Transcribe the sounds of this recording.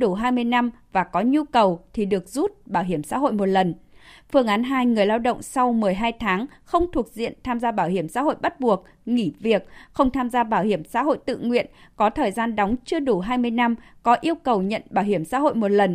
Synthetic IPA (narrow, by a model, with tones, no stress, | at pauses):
ɗu˧˩ɦaː˧jmɨ˧əjna˧mvaː˨˩kɔ˨˦ɲu˧kə˨˩wt̪ʰi˨˩ɗɨ˨˩ək̚zu˦˥t̚ɓaː˧˩wɦi˧˩əmsa̰ː˧˥ɦo̰˧˨jmo˨˩t̚lə˨˩nfɨ˧əŋʔaː˨˦nɦaː˧jŋɨ˨˩əjlaː˧wɗə̰˧˨wŋ͡msa˧wmɨ˨˩əjɦaː˧jt̪ʰaː˨˦ŋxə˧wŋ͡mt̪ʰu˨˩ək̚zḭ˧˨ənt̪ʰaː˧mzaː˧ɓaː˧˩whi˧˩əmsa̰ː˧˥ɦo̰˧˨jɓa˦˥t̚ɓu˨˩ək̚ | ŋi˧˩vi˨˩ək̚xə˧wŋ͡mt̪ʰaː˧mzaː˧ɓaː˧˩whi˧˩əmsa̰ː˧˥ɦo̰˧˨jt̪ɨ̰˧˨ŋwḭ˧˨ənkɔ˨˦t̪ʰəː˨˩jzaː˧nɗa˨˦wŋ͡mt͡ɕɨ˧əɗu˧˩ɦaː˧jmɨ˧əjna˧mkɔ˨˦ʔi˧əwkə˨˩wɲə̰˧˨nɓaː˧˩whi˧˩əmsa̰ː˧˥ho̰˧˨jmo˨˩t̚lə˨˩n